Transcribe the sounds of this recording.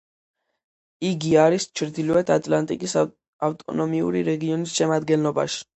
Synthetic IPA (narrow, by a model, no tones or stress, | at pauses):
iɡiaɾist͡ʃʰɾd̪iluɛt̪ʰat̪ʼlant̪ʼikʼis | aft̪ʼɔ̰nɔmiṵɾiɾɛɡiɔnisʃɛmad̪ɡɛnlɔba̰ʃi̥